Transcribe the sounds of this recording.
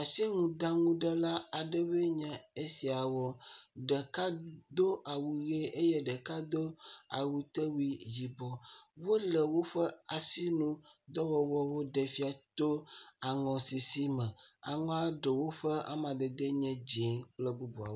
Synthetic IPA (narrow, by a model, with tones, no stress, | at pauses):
a˨si˦ŋũ˨d̪a˦ŋũ˦ɖɛ˦la˦a˨ɖɛ˦βe˦ɲɛ̃˨e˦si˨a˨wɔ˦ɖɛ˨ka˦d̪o˦a˨wu˨ɣe˦e˦jɛ˦ɖɛ˨ka˦d̪o˦a̰˨wu˨t̪e˦wui˦ji˨bɔ˦wo˦lɛ˨wo˦ɸɛ˦a˨si˦nũ˦d̪ɔ˦wɔ˨wɔ˦wo˦ɖɛ˨fi˦a˨t̪o˦a˨ŋɔ̃˨si˨si˦mɛ̃˨a˨ŋɔ̃˦a˦ɖɛ˨wo˦ɸɛ˦a̰˦mã˨d̪ɛ˨d̪e˦ɲɛ̃˦d͡ʑe˨˦k͡plɛ˦bu˦bu˨a̰˨wo˦